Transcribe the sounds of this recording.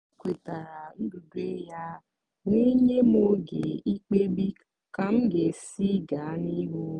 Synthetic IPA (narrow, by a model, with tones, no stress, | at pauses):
kʷe˨ta˨ɾa˨ŋ̩˦ɡu˨de˦ja˦ | ŋʷi˦ɲe˦m˦o˦ɡḛ˨i˦k͡pe˦bi˦ | ka˨m̩˦ɡe˨si˦ɡa˨a˦ni˦ɦo˦